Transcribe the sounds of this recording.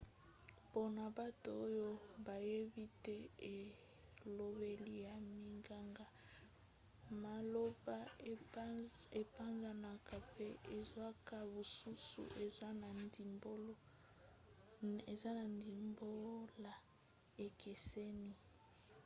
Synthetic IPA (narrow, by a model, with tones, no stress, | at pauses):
po˦na˨ba˦to˨o˦jo˦ba˨je˦bi˦te˦e˨ | lo˦βe˦li˦ja˨mi˨ŋɡa˦ŋɡa˦ | ma˨lo˦ba˦ | e˨pa˦nza˨na˨ka˨pe˦e˨zwa˦ka˦bo˨su˦sṵ˨ʔe˨zwa˦na˨ndi˨mbo˦lo˦ | e˨za˦na˨ndi˨mbo˦la˨ | e˨ke˨se˦ni˦